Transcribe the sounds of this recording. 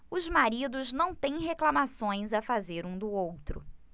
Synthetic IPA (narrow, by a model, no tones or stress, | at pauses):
ʊzmaɾid̪ʊznɐ̃w̃t̪ẽj̃ɦeklamasõj̃zafazeɾũd̪ʊowt̪ɾʊ̰